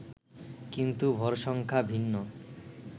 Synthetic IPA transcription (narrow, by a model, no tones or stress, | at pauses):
kint̪ubʱɔɾʃɔŋkʰabʱinːo